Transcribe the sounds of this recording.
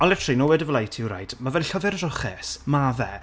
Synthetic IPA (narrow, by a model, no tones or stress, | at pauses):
ɔnlɛtʰərlˠinɔwɛdəvlajtʰiwɾa̰jd̥mavɛlɬəvɛɾərɔχɛsmavɛ̰